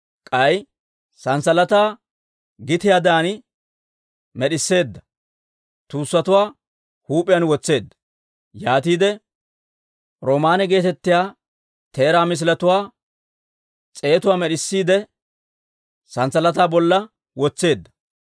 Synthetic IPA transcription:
kʼɐj | sɐnsɐlɐt̪aː | ɡɪt̪ɪjaːd̪aːn | mɛɗɪsːe̞ːd̪ːɐ | t̪uːsːɐt̪ʊwaː | huːpʼɪjɐnwɔt͡sːe̞ːd̪ːɐ̥ | jaːt̪iːd̪ɛ | ɾoːmaːnɛɡe̞ːt̪ɛt̪ːɪjaː | t̪e̞ːɾaːmɪs̬ɪlɐt̪ʊwaː | t͡sʼe̞ːt̪ʊwaːmɛɗɪsːiːd̪ɛ | sɐnsɐlɐt̪aːbɔlːɐ | wɔt͡sːe̞ːd̪ːɐ̥

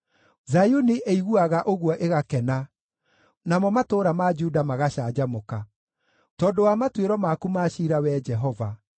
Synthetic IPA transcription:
zajuniʔeiɣuaɣaʔoɣwɔʔeɣakɛna | namɔmatoːɾamad͡ʒudamaɣaɕaːd͡ʒamoka | tɔːdowamatweɾɔmakumaʃiːɾawɛd͡ʒɛɦɔva

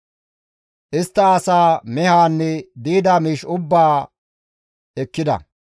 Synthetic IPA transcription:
ʔɪst̪ːɐːsaːmɛhaːnːɛd̪iːd̪amiːʃʊbːaː | ɛkːɪd̪ɐ̰

